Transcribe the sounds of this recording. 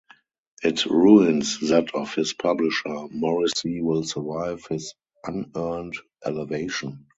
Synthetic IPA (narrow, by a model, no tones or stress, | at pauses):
ʔɪtɹuɪ̃nsðætʰɔfhɪspʰablɪʃə˞mɔɹɪsiwɪlsə˞vaɪvhɪz | ʔãnɜ˞nt | ʔɛ̰lɛveɪʃɔ̃n